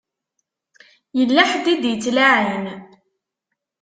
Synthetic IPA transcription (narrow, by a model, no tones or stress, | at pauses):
jəlːaħd̪id̪jət͡sːlaʕin